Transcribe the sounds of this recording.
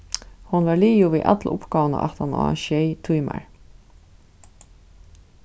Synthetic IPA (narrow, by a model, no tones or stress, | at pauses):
hʊnvaɹliːjʊviʔa̰t̪lʔʊ̰pkaːvna̰ʔaht̪anɔ̰a̰ʃɛjt̪ʰujma̰ɹ